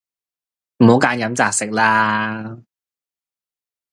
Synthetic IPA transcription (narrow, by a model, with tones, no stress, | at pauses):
m̩˨˩ho˨˧˥wkaː˨˧˥njɐ˨˥mt͡saː˨˧k̚sɪ˨k̚laː˥